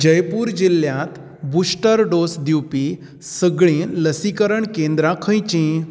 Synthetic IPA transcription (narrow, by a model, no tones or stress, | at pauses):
d͡ʑəjpuːɾd͡ʑiljãt̪ | busʈəɾɖosd̪iwpi | səɡɭĩːləsikəɾəɳkẽnd̪ɾakʰə̃jt͡ɕĩ